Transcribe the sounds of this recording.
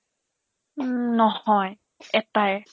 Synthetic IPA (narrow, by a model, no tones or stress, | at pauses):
nɔhɔj | ɛt̪aj